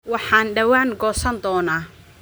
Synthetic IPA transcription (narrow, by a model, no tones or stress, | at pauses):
wɑħɑːnɖɐwaːŋɡɔːsɐnd̪ɔːnaː